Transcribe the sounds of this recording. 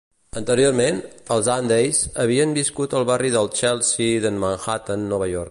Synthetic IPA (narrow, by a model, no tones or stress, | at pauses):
ənt̪əɾioɾmenəlˠzand̪ejzəβ̞iəmbiskut̪əlˠβariðəlˠt͡ʃɛlˠsiðənmanxat̪ənːɔβəjoɾ